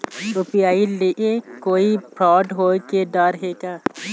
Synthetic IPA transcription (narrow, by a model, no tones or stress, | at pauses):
ɾupijaːileʔekoːipɾɔːɖɦoked̪əɾɦeːkaː